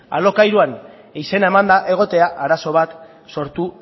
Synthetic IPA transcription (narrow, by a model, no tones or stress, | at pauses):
a̰lo̞kajɾuan | ise̞naemand̪aʔe̞ɣ̞o̞t̪e̞aʔaɾaso̞βat̪ | so̞ɾt̪u